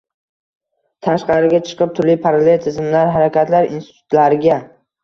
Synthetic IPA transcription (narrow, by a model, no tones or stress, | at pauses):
t̪ʰaʃqɑɾɪɡʲat͡ʃʰɨ̥qʰɨp̚t̪ʰʊɾlɪpʰaɾalejt̪ʰɪzɪmlaɾɦaɾakʲʰat̪laɾḭnst̪ɪ̥t̪ʰʊ̥t̪laɾɪɡʲa